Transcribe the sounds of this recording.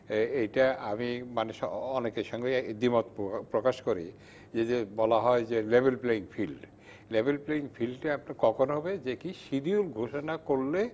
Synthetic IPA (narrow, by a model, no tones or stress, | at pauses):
ejʈaamimaneʃɔɔnekeʃɔŋɡed̪imot̪pɾokaʃkoɾḭ | d͡ʑed͡ʑebɔlaɦɔed͡ʑelebelpleiŋfʰilɖ | lebʱelpleiŋfʰilɖʈaapnakɔkʰonoɦɔbed͡ʑekiʃid̪iulɡʱoʃonakoɾle